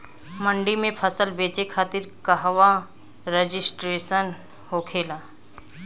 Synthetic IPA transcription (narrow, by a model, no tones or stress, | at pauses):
mə̃ɳɖimẽpʰəsəlbeːt͡ʃekʰaːt̪ɪɾkɐɦʋa | ɾed͡ʒɪsʈɾeːʃən | hoːkʰeːlaː